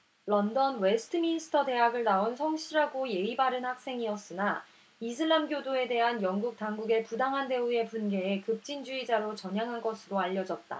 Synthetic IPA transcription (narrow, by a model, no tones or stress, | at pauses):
lʌndʌnwe̞sʰɯ̥tʰɯminisʰɯ̥tʰʌte̞ɦaɡɯɭnaonsʰʌŋɕʰiɾaɡoje̞ibaɾɯnhak̚s͈e̞ŋiʌs͈ɯna | is̬ʰɯɭːamɡjodoe̞de̞ɦanjʌŋɡuk̚t͈aŋɡuɡe̞pudaŋɦande̞ue̞punɡe̞ːkɯp̚t͡ɕ͈ind͡ʑuid͡ʑaɾot͡ɕʌɲjaŋɦanɡʌsʰɯɾoaʎːʌd͡ʑʌt̚t͈a̰